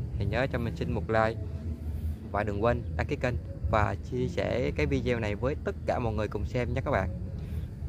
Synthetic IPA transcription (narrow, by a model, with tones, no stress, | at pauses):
he˨˩ɲəː˨˦t͡ɕɔ˧mï˨˩ŋ̟sï˧ŋmo˨˩t̚laː˧j | va̰ː˧˨jɗɨ˨˩əŋkwe˧nɗa̰˧˥ki˨˦˥kə˧n | vaː˨˩t͡ɕi˧əsɛ̰˧˩kaː˨˦jvi˧zɛ˧wna˨˩jvəː˨˦jt̪ə˦˥t̚kaː˧˩mɔ̰˨t̚ŋɨ˨˩əjkʊ˨˩ŋ͡msɛ˧mɲa˦˥kaː˦˥k̚ɓa̰ː˧˨ʔ